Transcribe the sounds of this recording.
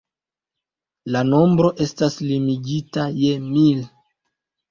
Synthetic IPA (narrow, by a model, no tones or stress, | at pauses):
lano̞mbɾo̞ʔe̞staslimiɡitaje̞mil